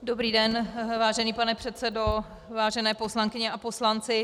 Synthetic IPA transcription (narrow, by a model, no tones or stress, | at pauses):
dobɾiːdɛnvaːʒɛniːpanɛpr̝̥ɛt̪sɛdo̞ | vaːʒɛnɛːpo̞slaŋkɪɲɛʔapo̞slant͡sɪ